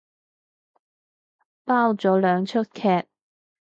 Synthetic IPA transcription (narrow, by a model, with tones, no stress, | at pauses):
paː˥wt͡sɔː˨˥lœː˨˧ŋt͡ʃʰɵ˥t̚kʰɛː˧t̚